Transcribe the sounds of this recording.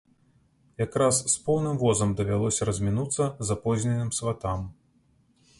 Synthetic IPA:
jakɾasːpɔwnɨmvɔzɐmd̪ɐvʲalˠɔsʲɐɾɐzʲmʲinut̪sːɐzapɔzʲnʲɛnɨmsvat̪am

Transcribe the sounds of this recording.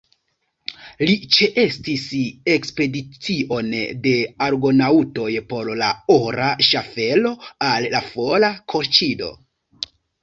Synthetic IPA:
lit͡ʃeʔe̞stisekspe̞dit͡siʔo̞nde̞aɾɡo̞nauto̞jpo̞ɾlaoɾʔaʃafe̞lo̞alːafo̞lakʰo̞ɾt͡ʃido̞̰

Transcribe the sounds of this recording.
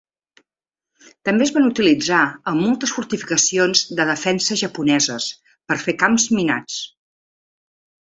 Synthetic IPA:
t̪əmbezβanut̪ilid͡zaəmːolˠt̪əsfuɾt̪ifikəsionzðəð̞əfɛnsəʒəpunɛzəs | pəɾfekamzmina̰t͡s

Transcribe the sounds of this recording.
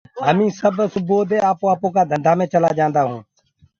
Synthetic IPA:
ɦəmĩːsəbʱsʊboːd̪eːaːpoːaːpõːkaːd̪ʱənd̪ʱaːmẽːt͡ʃəlaːd͡ʒãːnd̪aːɦũː

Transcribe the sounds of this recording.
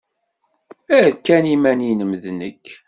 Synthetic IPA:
æɾkːænimæninəmðnəkː

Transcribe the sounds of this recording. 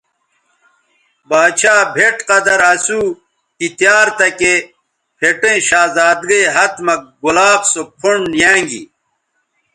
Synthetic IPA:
baːɕaːbʱeʈqɐd̪ɐɾɐsuː | kit̪jaːɾt̪ɐke | pʰeʈẽɕaːzaːd̪ɡeɦɐt̪mɐɡulaːbsopʰoɳjãːŋɡḭ

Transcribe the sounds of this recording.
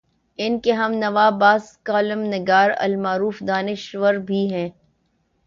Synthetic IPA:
ɪnkeɦɐmnɐʋaːbaːskaːlɪmnɪɡaːɾɐ̰lmaːɾuːfd̪aːnɪʃʋəɾbʱiɦɛ̃ː

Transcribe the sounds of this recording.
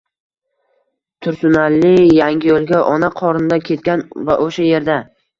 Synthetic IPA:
t̪ʰʊɾsʊnalːɪjaŋʲɪjolˠɡʲaʔɒnaqʰɒɾnɪd̪akʲʰe̞t̪̚kʲanva̰ʔoʃaje̞ɾd̪a

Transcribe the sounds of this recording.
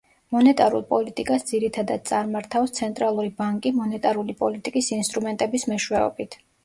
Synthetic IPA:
mɔnɛt̪ʼaɾṵlˠpʼɔlit̪ʼikʼasd̪ziɾit̪ʰad̪ad̪̚t̪sʼaɾmaɾt̪ʰafst̪sʰɛnt̪ʼɾalˠuɾibaŋkʼimɔnɛt̪ʼaɾulipʼɔlit̪ʼikʼisinst̪ʼɾumɛnt̪ʼɛbismɛʃwɛɔ̰bit̪ʰ

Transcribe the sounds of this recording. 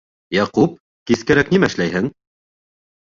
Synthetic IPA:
jɑqup̚ | kiskæɾæknimæɘ̆ʃlæjɦɘŋ

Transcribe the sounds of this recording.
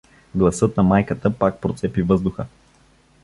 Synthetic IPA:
ɡlˠɐsɤt̪̚nɐmajkət̪əpak̚pɾot̪sɛpivɤzd̪ʊxə

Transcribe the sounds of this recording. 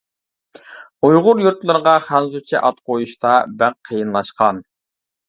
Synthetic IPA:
ujʁʊɾjuɾt̪lˠɨɾəʁɑχænzut͡ʃʰiʔɑt̪qʰojuʃt̪ɑbæqʰːejɨnlˠɑʃqɑn

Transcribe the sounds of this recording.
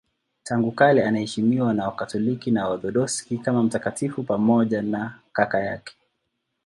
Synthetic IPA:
taŋɡukalɛanahɛʃimiwanaakatɔlikinaaɗɔɗɔskikamam̩takatifupamɔʄanakakajakɛ̥

